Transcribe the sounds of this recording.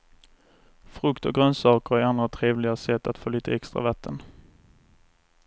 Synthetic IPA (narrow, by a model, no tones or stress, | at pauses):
fɾɵkt̪ɔɡɾœnsɑːkəɾæɾand̪ɾat̪ʰɾeːvlɪɡasɛt̪ːat̪foːliːt̪ʰəɛkst̪ʁa̰vat̪ʰːən